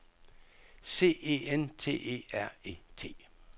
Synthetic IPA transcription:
se̝̰ːe̝̰ːent͡sʰe̝̰ːe̝̰ːæɐ̰e̝̰ːt͡sʰe̝̰ː

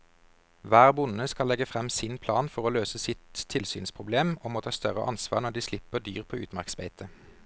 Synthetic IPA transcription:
ʋæːʁbʊnəskɑlɛɡəfʁɛmsɪnpʰlɑːnfɔʁoːløːsəsɪt̪ʰːɪlsyːnspʰʁʊbleːmɔmoːt̪ʰɑːst̪œʁə̰ʔɑnsʋɑ̰ːʁnɔd̪iːslɪpːəd̪yːʁpʰoːʉːt̪mɑʁksmḛɪt̪ʰə

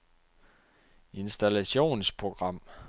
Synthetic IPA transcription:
e̝nsd̥ælæɕo̝̰ːnspʰʁo̝ɡ̥ʁɑ̈m̰

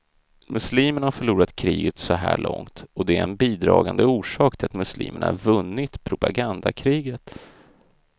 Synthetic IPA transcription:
mɵsliːməɳahafœɭuːɾat̪kʰɾiːɡət̪sɔɦæːɭɔŋt̪ɔd̪ɛæɾɛnbiːd̪ɾɑːɡand̪əuːʂɑːk̚t̪ʰɪlat̪mɵslḭːməɳa̰ɾvɵnːɪt̪pʰɾʊpaɡand̪akʰɾiːɡət̪

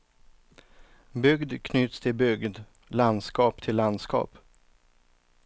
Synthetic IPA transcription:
bʏɡd̪kʰnʏːt̪st̪ʰɪlbʏɡd̪ | land̪skɑːpt̪ʰɪlːand̪skɑ̰ːp

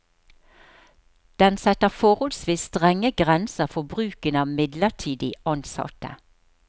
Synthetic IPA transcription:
d̪̥ɛnsɛt̪əʁfɔʁɔlsʋiːsst̪ʁɛŋəɡʁɛnsəʁfɔbʁʉːkənɑːmɪd̪ləʁʈʰiːd̪ɪɑnsɑ̰t̪ə̰

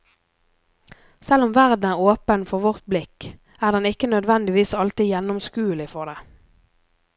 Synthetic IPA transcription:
sɛlʊmʋæʁd̪n̩æːʁoːpənfɔʁʋɔʁt̪̚blɪk | æːʁd̪ɛnɪkːənœd̪ʋɛnd̪ɪʋiːsɑlt̪ɪjɛnʊmskʉːlɪfɔʁd̪eː

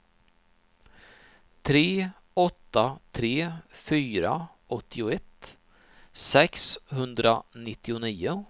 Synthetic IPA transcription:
t̪ʰɾeː | ɔt̪ːat̪ʰɾeːfyːɾa | ɔt̪ʰːɪʊɛt̪ː | sɛkshɵnd̪ɾanɪt̪ːɪʊniːʊ

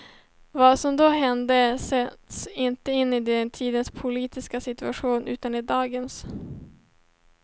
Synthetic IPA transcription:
vasɔmd̪oːɦɛnd̪əsɛt̪sɪnt̪əɪnːɪd̪ɛnt̪ʰiːd̪ənspʰʊliːt̪ɪskasɪt̪ɵaɧuːnʔʉ̟ːt̪anɪd̪ɑːɡəns

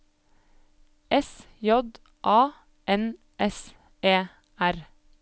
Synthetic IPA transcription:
ʔɛs | jɔd̪ | ʔɑː | ʔɛn | ʔɛs | eː | æɾ

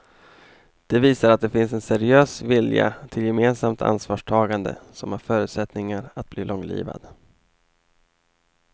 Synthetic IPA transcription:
d̪̥ɛviːsaɾat̪̚d̪ɛfɪns̬ɛnsɛɾɪøːsvɪlja̰t̪ʰɪljɛmeːnsamt̪ʰa̰nsvɑːʂʈʰɑːɡand̪ə̰sɔmhaɾfœːɾʉ̟ːt̪sɛt̪nɪŋaɾat̪̚bliːlɔŋːlḭːva̰d̪̥

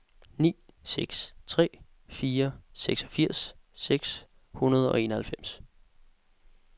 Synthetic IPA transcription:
nḭː | seɡ̥st͡sʰʁɛ̰ː | fiːɐseɡ̥sɒ̥fiɐ̰sː | eɡ̥s | hunɐð̞ˠɒ̽e̝ːnɐhælfem̰s

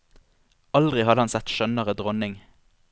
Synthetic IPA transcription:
ɑld̪ʁɪhɑd̪əhɑnsɛt̪ʃœnəʁəd̪ʁɔnɪŋ

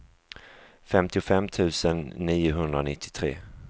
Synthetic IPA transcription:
fɛmt̪ɪʊfɛmːt̪ʰʉ̟ːsənːiːʊɦɵnd̪ɾanɪt̪ʰːɪ̥t̪ʰɾḛː

